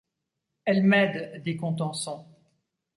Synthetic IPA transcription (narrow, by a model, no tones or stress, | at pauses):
ɛlmɛd̪d̪ekɔ̃t̪̬ɑ̃sɔ̃